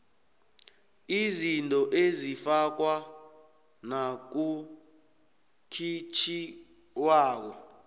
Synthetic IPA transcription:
izintʼɔʔezifak̬wa | nak̬u | kʰit͡ʃʰi | waːk̬ɔ

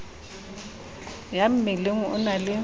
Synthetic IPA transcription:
jam̩meleŋ̩ʊnalɪ

